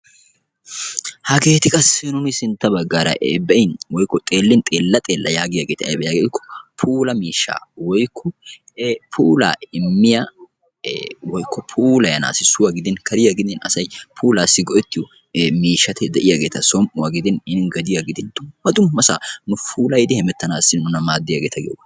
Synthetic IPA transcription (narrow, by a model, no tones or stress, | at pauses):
hɐɡe̞ːt̪ɪkʼɐsɪnʊnɪsɪnt̪ːɐbɐɡːaːɾɐ̰ʔbɛɪnwɔjkːɔt̪ʼe̞ːlːɪnt̪ʼeːlːɐt̪ʼe̞ːlːɐjaːɡɪjaːɡeːt̪ɐbɛjaɡeɪkːɔ̥pʰuːlɐmiːʃːa̰ːwɔjkʰːɔ | pʰuːla̰ːɪmːɪja | wɔjkʰːɔpʰuːlɐjɐna̰ːsɪsʊwaɡɪd̪ɪnkʰɐɾɪjaɡɪd̪ɪnɐsɐjpʰuːlaːsːɪɡɔʔɛt̪ːɪjʊ | miːʃːɐt̪ʰɛd̪ɛʔɪjaɡeːt̪ɐsɔmʔʊwaːɡɪd̪ɪnɪnɪnɡɐd̪ɪjaɡɪd̪ɪnd̪̥ʊmːɐd̪ʊmːɐsa̰ːnʊfʰuːlɐjɪd̪ɪhɛmɛt̪ːɐnaːsːɪnʊnɐmaːd̪ːɪjaɡeːt̪ʰɐɡɪoɡ